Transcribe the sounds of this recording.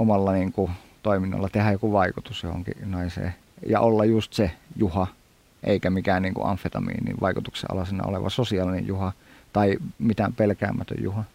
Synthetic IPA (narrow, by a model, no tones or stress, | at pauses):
omɑlːɑniːŋku | t̪oˑiminːɑ̰lːɑt̪ehæjokuʋɑikut̪usjo̰ho̰ŋkḭnɑisḛː | jɑ̰ʔolːɑjust̪sejuhɑ | ʔḛikæmikæːnniːŋkṵʔɑnfet̪ɑmḭːnḭːʋɑikut̪uksḛʔɑ̰lɑsinɑ̰o̰leʋɑ̰sosiɑlinḛjjuhɑt̪ɑimit̪æmpelkæ̰ːmːæt̪ø̰jjuhɑ